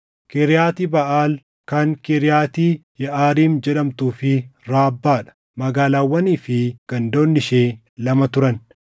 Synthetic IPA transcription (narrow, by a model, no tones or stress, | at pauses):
kɛɾɪjaːt̪iːbɐʔaːl | kɐŋkɛɾɪjaːt̪iːjɛʔaːɾiːmd͡ʒɛᶑɐmt̪uːfɪɾaːbːaːᶑɐ̥ | mɐɡaːlaːwːɐniːfɪɡ̥ɐnd̪o̞ːnːɪʃeː | lɐmɐt̪ʊɾɐn